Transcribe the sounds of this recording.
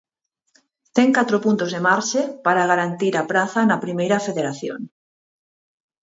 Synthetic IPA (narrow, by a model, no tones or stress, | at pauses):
t̪eŋkat̪ɾopunt̪ozðemaɾʃepaɾaɣ̞aɾant̪iɾapɾaθanapɾimejɾafeðeɾaθjo̰ŋ